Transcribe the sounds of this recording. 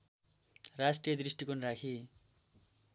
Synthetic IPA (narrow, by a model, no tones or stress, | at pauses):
rasʈrijʌd̪risʈikonrakʰi